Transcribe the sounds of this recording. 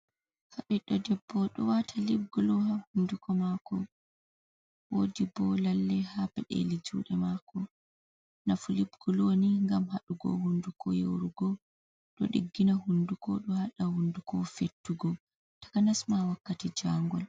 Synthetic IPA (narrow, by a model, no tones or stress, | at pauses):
haɓɛɗɔdɛbːɔɗɔwatʰalib̚ɡulɔhahundukʰɔmakɔ | wodibɔlalːɛhapɛɗḛlid͡ʒṵːɗɛmakɔ | nafulibɡ̥uloniŋɡamhaɗuɡɔ̰hundukɔjo̰ɾuɡɔ | ɗɔ̰ɗḭɡːinahundukɔɗɔhaɗahundukɔfetːuɡɔ | tḁkanasmawakːatid͡ʒaŋɡɔl